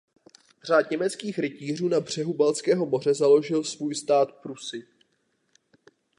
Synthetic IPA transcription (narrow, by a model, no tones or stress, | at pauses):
r̝aːd̪ɲɛmɛt͡skiːxɾɪciːr̝uːnabr̝̥ɛɦubalt͡skɛːɦo̞mo̞r̝ɛzalo̞ʒɪlsvuːjst̪aːt̪pɾusɪ